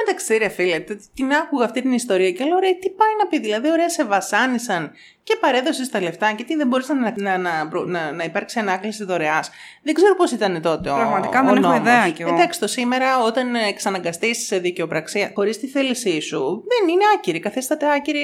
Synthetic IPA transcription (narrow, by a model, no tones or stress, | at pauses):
met̪ɐkseɾefilet̪et̪inɐkuɣɐft̪it̪inist̪o̞ɾiɐcelooɾejt̪ipɐjnɐpiðilɐðio̞ɾe̞ɐse̞vɐsɐnisɐn | ce̞pɐɾe̞ðo̞sist̪ɐle̞ft̪ɐcet̪iðembo̞ɾisɐnɐnɐnɐpɾonɐnɐipɐɾksiɐnɐklisit̪oɾe̞ɐs | ðeɡze̞ɾopo̞sit̪ɐne̞t̪o̞t̪eoɾɐɣmɐt̪ikɐðenenooimðeɐceɣeod̪ɐksi̥t̪o̞sime̞ɾɐo̞t̪ɐneksɐnɐŋɡɐst̪isse̞ðice̞o̞pɾɐksiɐxo̞ɾist̪iθelisisuðenineɐciɾikɐθist̪ɐt̪eɐciɾi